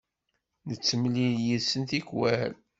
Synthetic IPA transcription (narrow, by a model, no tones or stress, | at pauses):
nət͡sːəmliljisənt̪ikwæl